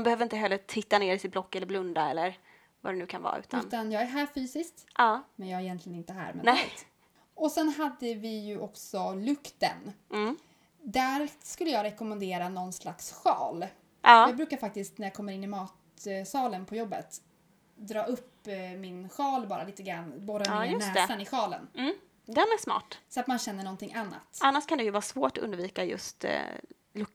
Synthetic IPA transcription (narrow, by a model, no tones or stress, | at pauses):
ambɛhøːvəɾɪnt̪əɦɛlːət̪ʰɪt̪ːaneːɾɪsɪt̪̚blɔkːɛlːəɾblɵnd̪aɛlːəɾ | va̰d̪ɛnʉ̟ːkʰanvɑ̰ːʉ̟̰ːt̪ʰaʉ̟ːt̪anjɑːɡæɦæːɾfyːsɪskt̪ʔɑːmɛnjɑːɡɾɛjɛnt̪lɪɡənɪnt̪əɦæ̰ːɾmɛ̰nɛ̰t̪ | ɔsɛnɦad̪ːəvɪjɵʔɔksɔlɵkt̪ə̰n | d̪æɾskɵlːəjɑːɡɾɛkɔmɛnd̪eːɾanɔnːslaksɧɑ̰ːl | ɑːjɑːɡ̚bɾʉ̟ːkaɾfak̚t̪ɪsk̪næjɑːkʰɔmːəɾɪnːɪmɑːt̪sɑːlənpʰɔjɔbːə̰t̪ | d̪ɾɑːɵpːmɪnɧɑːlbɑːɾaliːt̪əɡɾanːboːɾaɵsɛːsanɪɧɑːlə̰nm̩ | d̪ɛnæsmɑ̰ːʈsɔat̪manɕɛnːəɳɔnt̪ɪŋːʔanːa̰t̪anːaʂkʰand̪ɛjɵvɑːɾsvoːʈɔɵ̰nd̪viːkajɵ̰st̪ | lɵk̚